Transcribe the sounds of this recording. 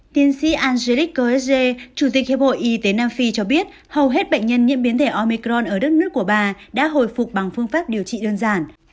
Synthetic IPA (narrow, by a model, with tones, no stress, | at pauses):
t̪i˧ənsḭ˧˥ʔaː˧nze˧li˦˥k̚ːə˧ʔɛ˦˥sze˧t͡ɕu˧˩t̪i˨˩k̚he˧˩ho̰˧˨ʔi˧t̪e˨˦naː˧mfi˧t͡ɕɔ˧ɓi˦˥ət̚ | hə˨˩wɦe˦˥t̚ɓə̰˧˨jŋ̟ɲə˧nɲḭ˧˥mɓi˨˦ənt̪ʰe˧˩ʔɔ˧mi˧kɾɔ˧nʔəː˧˩ɗə˦˥t̚nɨ˦˥əkːu˧˩əɓaː˨˩ɗa̰ː˧˥ɦo̰˧˨jfʊ˨˩k͡p̚ɓa˨˩ŋfɨ˧əŋfaː˦˥p̚ɗi˨˩əwt͡ɕḭ˧˨ɗəː˧nzaː˧˩n